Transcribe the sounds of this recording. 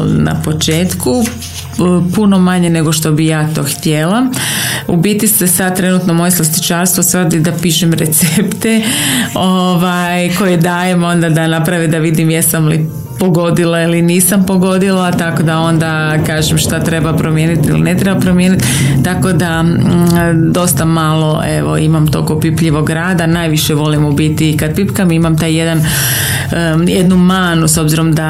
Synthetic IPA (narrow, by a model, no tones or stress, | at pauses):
na̰po̞t͡ʃeːt̪ku | puno̞maɲene̞ɡo̞ʃt̪o̞bijaːt̪o̞ːxt̪jelaubit̪isesad̪̚t̪ːɾe̞nut̪nomojeslˠast̪i̥t͡ʃaːɾst̪ʋosʋərd̪id̪apiːʃemɾet̪sept̪eoʋajko̞jed̪aːjemo̞nd̪ad̪anapɾaʋid̪aʋid̪imjesamlḭ | poɡo̞d̪ilailiniːsampo̞ɡo̞d̪ilat̪ako̞d̪ao̞nd̪a | kaːʒemʃt̪at̪ɾe̞bapɾomjeːnit̪ilḭne̞t̪ɾe̞bapɾomjeːnit̪ | t̪ako̞d̪a | d̪o̞st̪amalˠo̞ʔe̞̰ʋo̞̰imamt̪o̞̰kopipʎiʋo̞ɡɾaːd̪anaːjʋiʃeʋo̞limubit̪iːkad̪̚pipkamimamt̪aːjjed̪an | jed̪numaːnuso̞bziɾo̞md̪a